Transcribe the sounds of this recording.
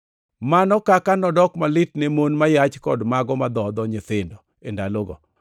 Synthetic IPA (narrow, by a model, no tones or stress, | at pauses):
manɔkakanɔdɔkmalɪt̚nemonmajat͡ʃkɔdmaɡɔmad̪ɔd̪ɔɲɪt̪ɪndɔ | endaloɡɔ̰